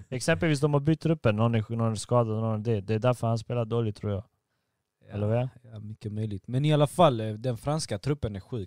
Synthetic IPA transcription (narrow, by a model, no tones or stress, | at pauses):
ɛksɛmpɛlviːsd̪ɔmhaɾbʏt̪t̪ʰːɾɵpːənːɔnːnɔnæɾskɑːd̪ad̪nɔnɑd̪ɛd̪ɛːd̪æɾfœɾhanspeːlad̪oːlɪɡt̪ʰɾṵːɾjɑ̰ːɡ | ɛlːəɾvɛmʏkːəmœjlɪɡt̪mɛnɪalafalːd̪ɛnfɾanskat̪ʰɾɵpːənæɾɧʉ̟ː